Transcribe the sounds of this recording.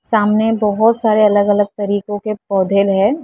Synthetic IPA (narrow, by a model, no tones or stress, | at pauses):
saːmnebɔɦʊt̪saːɾeɐləɡɐləɡ̚t̪ɐɾiːkõkepɔːd̪ʱelɦɛ̃ː